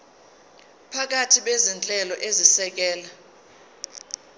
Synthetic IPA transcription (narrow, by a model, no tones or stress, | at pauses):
pʰak̬atʰiɓezint͡ɬʼɛlɔʔezisɛk̬ɛːla